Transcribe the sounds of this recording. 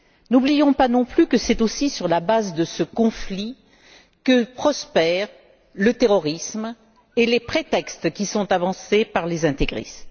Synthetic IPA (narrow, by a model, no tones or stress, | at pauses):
nublijɔ̃panɔ̃plykəsɛt̪osisyʁlabazd̪əsəkɔ̃fli | kəpχɔspɛʁ | lət̪eʁɔʁism | elepχet̪ɛkst̪kʲisɔ̃t̪avɑ̃sepaʁlezɛ̃t̪eɡʁḭs